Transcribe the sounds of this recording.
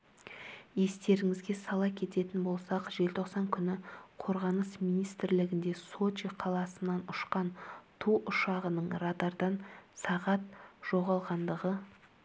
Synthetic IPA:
je̞st̪e̞ɾɪŋɪzɡʲe̞sɑlˠɑkʲʰe̞t̪e̞t̪ɪnbo̞lˠsɑqʒe̞lt̪ʰo̞qsɑŋkʲʰʏnɪqʰo̞ɾʁɑnəsminijst̪ɪɾlɪɡʲɪnd̪e̞so̞t͡ʃiqʰɑlˠɑsənːɑnʊʃqɑnt̪ʰuʔʊʃɑʁənəɴɾɑd̪ɑɾd̪ɑnsɑʁɑt̪̚ʒ̥o̞ʁɑlˠʁɑnd̪əʁə

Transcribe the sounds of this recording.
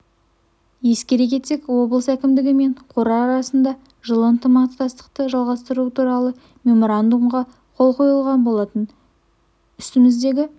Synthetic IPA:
je̞skʲe̞ɾe̞k̬ʲe̞t̪sekwo̞bəlˠəsækʲɪmd̪ɪɡʲɪme̞ɴqʰo̞ɾɑːɾɑsənd̪ɑ | ʒəlˠəənt̪əmɑqt̪ːɑst̪ə̥q̚t̪əʒɑlˠʁɑst̪əɾut̪ʰuɾɑlˠə | me̞mo̞ɾand̪umʁɑ | qʰo̞lˠqʰo̞jəlˠʁɑnbo̞lˠɑt̪ən | ʏst̪ɪmɪzd̪e̞ɡʲɪ

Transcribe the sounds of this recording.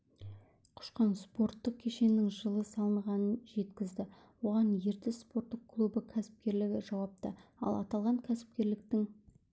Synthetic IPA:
qʰʊ̥ʃqɑnspo̞ɾt̪ːəq̚kʲʰe̞ʃe̞nɪŋʒəlˠəsɑlˠəɴʁɑnənʒe̞t̪kʲɪzd̪ɪ | wo̞ʁɑnje̞ɾt̪ɪspo̞ɾt̪ːəq̚kʰlˠubəkʲʰæsɪ̥p̚kʲe̞ɾlɪɡʲɪʒɑwɑp̚t̪ə̰ɑ̰lˠɑt̪ɑlˠʁɑŋkʲʰæsɪ̥p̚kʲe̞ɾlɪk̚t̪ɪŋ

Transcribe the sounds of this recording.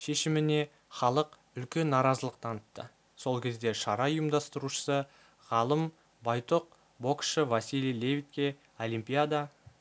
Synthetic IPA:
ʃe̞ʃɪmɪne̞ | χɑlˠəq | ʏlkʲe̞nːɑɾɑzəlˠəq̚t̪ʰɑnət̪ːə̰ | so̞lˠkʲʰe̞zd̪e̞ʃɑɾɑʊjəmd̪ɑst̪əɾuʃə̥sə | ʁɑlˠəm | bɑjt̪ʰoq̚ | bo̞kʃəvasʲilijlʲe̞vʲit̪̚kʲe̞ | o̞lʲimpʲijad̪a

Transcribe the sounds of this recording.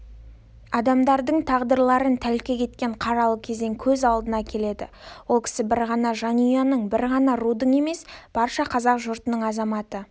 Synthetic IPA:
ɑd̪ɑmd̪ɑɾd̪əɴt̪ʰɑʁd̪əɾlˠɑɾənt̪ʰælkʲe̞kʲʰe̞t̪kʲe̞ɴqʰɑɾɑlˠəkʲʰe̞ze̞ŋkʲʰɵzɑlˠd̪ənɑkʲʰe̞le̞d̪ɪ̰wo̞lˠkʲʰɪ̥sɪbɪɾʁɑnɑʒɑnujɑnəɴbɪɾʁɑnɑɾud̪əɴe̞me̞sb̥ɑɾʃɑqʰɑzɑqʒʊɾt̪ənəɴɑzɑmɑt̪ə

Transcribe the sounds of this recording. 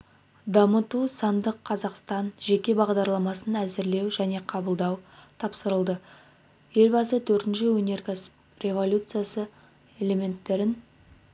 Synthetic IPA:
d̪ɑmət̪usɑnd̪əqʰːɑzɑqst̪ɑnʒe̞kʲe̞bɑʁd̪ɑɾlˠɑmɑsənæzɪɾle̞wʒæne̞qʰɑbəlˠd̪ɑwt̪ʰɑpsəɾəlˠd̪ə | je̞lbɑsət̪ʰɵɾt̪ɪnʃɪwɵne̞ɾkʲʰas | rʲe̞vo̞lʲjut̪sɨjasə | e̞lʲe̞me̞nt̪ːe̞ɾɪn

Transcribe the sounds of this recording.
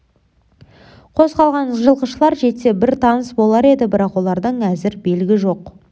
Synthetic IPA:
qʰo̞zqɑlˠʁɑnʒəlˠqəʃəlˠɑɾʒe̞t̪ːe̞bɪɾt̪ʰɑnəsbo̞lˠɑɾe̞d̪ɪbɪɾɑqwo̞lˠɑɾd̪əɴæzɪɾbe̞lɡʲɪʒo̞q

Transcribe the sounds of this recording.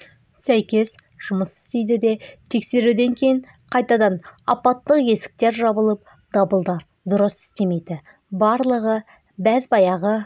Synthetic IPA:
sæjkʲe̞s | ʒ̥ʊməsɪ̥st̪ejd̪ɪd̪e̞t̪ʰe̞kse̞ɾud̪e̞ŋkʲʰe̞jɪɴ | qʰɑjt̪ɑd̪ɑnɑ̰pɑt̪ːəqje̞sɪ̥k̚t̪e̞ɾʒɑbəlˠəp̚ | d̪̥ɑbəlˠd̪ɑɾ | d̪ʊɾəsɪ̥st̪e̞me̞jd̪ɪ | bɑɾlˠəʁə | bæzbɑjɑʁə

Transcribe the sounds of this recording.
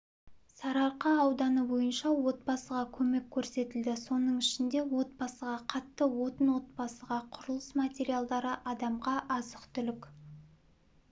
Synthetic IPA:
sɑɾɑɾqɑːwd̪ɑnəbo̞jənʃɑwo̞t̪̚bɑsəʁɑkʲʰɵme̞kʲʰːɵɾse̞t̪ɪld̪ɪso̞nəɴɪʃɪnd̪e̞wo̞t̪̚bɑsəʁɑqʰɑt̪ːəwo̞t̪ənwo̞t̪̚bɑsəʁɑqʰʊɾəlˠəsmat̪ʲeɾijalˠd̪ɑɾəʔɑd̪ɑmʁɑʔɑzəqt̪ʏlɪkʲ

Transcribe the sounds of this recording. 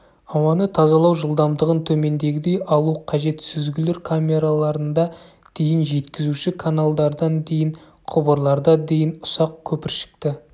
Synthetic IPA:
ɑwɑnət̪ʰɑzɑlˠɑwʒəlˠd̪ɑmd̪əʁənt̪ʰɵme̞nd̪e̞ɡʲɪd̪e̞jɑlˠuqʰɑʒe̞t̪sɪzɡʲɪleɾkʰamʲe̞ɾalˠɑɾənd̪ɑ | d̪̥e̞jɪnʒe̞t̪kʲɪzuʃɪkʰanalˠd̪ɑɾd̪ɑnd̪e̞jɪɴ | qʰʊbəɾlˠɑɾd̪ɑd̪e̞jɪnʊ̥sɑq̚kʲʰɵpɪɾʃɪ̥k̚t̪ɪ

